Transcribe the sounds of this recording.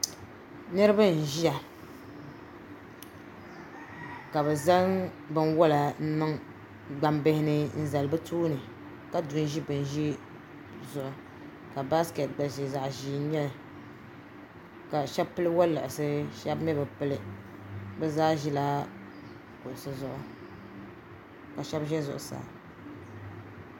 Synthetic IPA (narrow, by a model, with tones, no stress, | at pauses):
nɨ˦ɾɨ˦ba˦n̩˨ʒi˦a˨ | ka˨bɛ˨za˦ŋ | bɨ˦nwɔ˦la˨n̩˦nɨ˦ŋ | ɡ͡ba˦mbɪ˦hɪ˦nɨ˦n̩˦za˨lɨ˨bɨ˦tuː˦nɨ˨ | ka˦du˨n˦ʒi˦bɨ˨n˨ʒi˦ | zʊ˨ʔʊ˨ | ka˨ba˦skɛ˨t̚ɡ͡ba˨ʒi˨za˨ʔʒiː˨˦˨ɲɛ˦lɨ˨ | ka˨ʃɛ˦bpɨ˦lɨ˦wa˦la̰˨ʔsɨ˦ʃɛ˦bmɛ˦bɛ˨pɨ˦lɨ˦ | bɛ˦zaː˦ʒi˦laː˦ | kʊ˨ʔʊ˨sɨ˨zʊ˨ʔʊ˨ | ka˨ʃɛ˦bʒɛ˦zʊ̰˨ʔʊ˨sa̰ː˨